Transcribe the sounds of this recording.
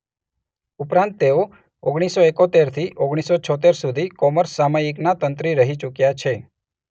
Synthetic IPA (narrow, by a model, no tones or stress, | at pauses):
upɾãnt̪ːeo | oɡɽ̃isoekot̪eɾt̪ʰiʔoɡɽ̃isot͡ʃʰɔt̪̬eɾsud̪ʱikɔməɾsːamajiknat̪ənt̪ɾiɾəɦit͡ʃukjat͡ʃʰe